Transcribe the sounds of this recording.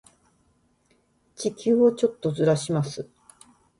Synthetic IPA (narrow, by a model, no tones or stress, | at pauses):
t͡ɕikʲɨːot͡ɕo̞t̪ːo̞zɨɾaɕimasɨ